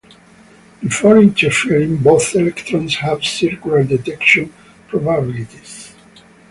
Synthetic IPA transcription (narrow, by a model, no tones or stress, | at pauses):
bifɔɹĩnt̪ɛɹfiɹĩŋboθɛlɛkt̪ɾɔ̃nshævsiɹkjulaɹd̪ɛt̪ɛkʃɔ̃n | pʰɹɔbabilit̪is